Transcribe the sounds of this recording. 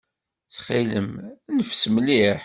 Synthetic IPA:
θχiləmnəfsmliħ

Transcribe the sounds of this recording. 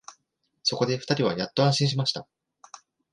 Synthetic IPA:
so̞ko̞d̪e̞ɸɯ̥t̪aɾʲiβ̞a̰jat̪ːo̞ãɕĩɰ̃ɕ̬imaɕi̥t̪a

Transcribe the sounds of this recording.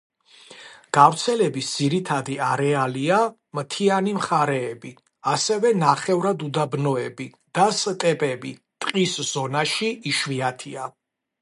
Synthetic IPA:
ɡ̥avɾt̪sʰɛlɛbisd̪z̥iɾit̪ʰad̪iaɾɛalia | mt̪ʰianimχaɾɛːbi | asɛvɛnaχɛvɾad̪ud̪abnɔɛbi | d̪̥ast̪ʼɛpʼɛbit̪ʼqʼisz̥ɔnaʃiːʃwiat̪ʰia

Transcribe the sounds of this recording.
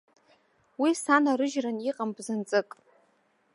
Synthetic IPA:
wisanaɾɨʒraniqʼambzɨnt͡sʼɨkʼ

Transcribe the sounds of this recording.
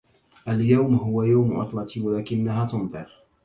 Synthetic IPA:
ʔaljawmɦʊwajawmʔɑ̰t̪ˤlɑt̪ʰiːwalaːkɪnːahaːt̪ʊnðˤɨɾ

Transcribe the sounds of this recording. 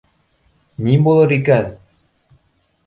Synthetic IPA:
nʲibolˠɤɾikæn

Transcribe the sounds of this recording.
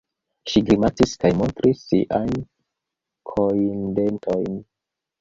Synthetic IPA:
ʃiɡɾimatiskajmo̞ntɾisːiʔajn | kʰoinde̞ntʰojn

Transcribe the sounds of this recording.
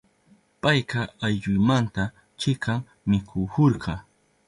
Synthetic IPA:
pajqɑajʎʊjmant̪a | t͡ʃɪkɑŋ | mɪkʰʊhoɾɢɑ

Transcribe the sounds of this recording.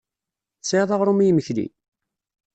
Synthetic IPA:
seðˤɑʁɾˤumijməçlḭ

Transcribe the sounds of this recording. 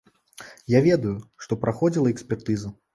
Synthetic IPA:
javʲɛd̪ujuʂt̪ɔpɾʔaxɔd͡zʲilˠɐɛksʲpʲɛrt̪ɨzɐ

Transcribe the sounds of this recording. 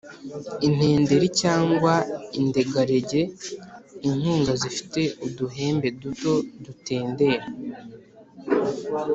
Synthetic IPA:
in̥e̞ːnde̞ɾicaːŋɡwainde̞ɡaɾe̞ɟe̞ | iŋ̥huːŋɡazifi̥te̞uduɦe̞ːmbe̞duto̞dute̞ːnde̞ːɾa

